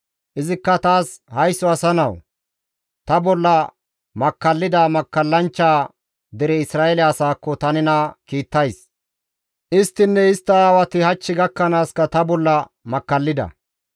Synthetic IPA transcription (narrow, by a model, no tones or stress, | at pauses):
ʔɪzɪkːɐt̪aːshɐjsːɔɐsɐnɐw | t̪ɐbɔlːɐ | mɐkːɐlːɪd̪aːmɐkːɐlːɐnt͡ʃːaː | d̪ɛɾɛɪsɾaːɛlɛɐsaːkːɔt̪ɐnɪnɐkiːt̪ːɐjs | ʔɪst̪ːɪnːɛɪst̪ːɐaːwɐt̪ɪhɐt͡ʃːɪɡɐkːɐnaːskɐt̪ɐbɔlːɐ | mɐkːɐlːɪd̪ɐ̰